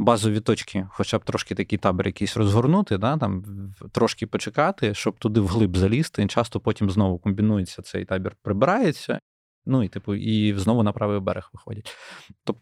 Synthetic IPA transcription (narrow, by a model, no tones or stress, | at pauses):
bɑzɔʋʲit̪ɔt͡ʃkʲʰɪxɔt͡ʃab̚t̪ɾɔʃkɪt̪ɐkʲijt̪ɑbʲɪrjɐkʲijsʲrɔzɦɔrnut̪ɪd̪ɑt̪ɑmt̪ɾɔʃkɪpɔt͡ʃekɑt̪ɪʃt͡ʃɔbt̪ʊd̪ɪwɦlˠɪbzɐlʲist̪ɪt͡ʃɑst̪ɔpɔtʲimznɔʋʊkɔmʲbʲinujet͡sʲːɐsɛ̰jt̪ɑbʲirpɾɪbɪɾɑjet͡sʲːɐ̰ | nuit̪ɪpʊʔiznɔʋʊnɐpɾɑʋɪjʋbɛ̰ɾexʋɪxɔ̰dʲɐtʲt̪ɔp